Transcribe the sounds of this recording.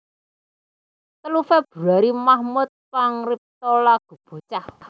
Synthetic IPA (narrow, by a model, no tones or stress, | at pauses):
t̪əlufɛb̥ṳɾaɾimahmʊt̪̚faŋrip̚t̪ɔlaɡ̥ṳb̥o̤t͡ʃah